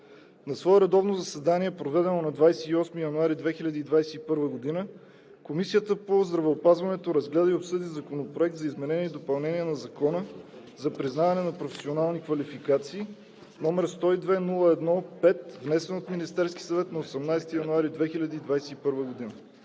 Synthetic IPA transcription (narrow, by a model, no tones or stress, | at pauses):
nɐsvɔɛɾɛd̪ɔvnozɐsɛd̪aniɛpɾovɛd̪ɛnonɐd̪vajsɛiɔsmijɐnuaɾid̪vɛxilʲɐd̪iːd̪vajsɛipɤɾvəɡod̪inə | komisiət̪əpozd̪ɾɐvɛopazvɐnɛt̪oɾɐzɡlɛd̪əiopsɤd̪izɐkonopɾoɛk̚t̪zɐizmɛnɛniɛid̪opɐlˠnɛniɛnɐzɐkɔnə | zɐpɾiznavɐnɛnɐpɾofɛ̥sionalˠnikvɐlifikat̪siː | nɔmɛɾst̪ɔid̪vɛnulˠəɛd̪nɔpɛt̪vnɛsɛnot̪minist̪ɛɾsk̟ʲi̥sɐvɛt̪nɐosɐmnajsɛt̪ijɐnuaɾid̪vɛxilʲɐd̪iːd̪vajsɛipɤɾvəɡod̪inə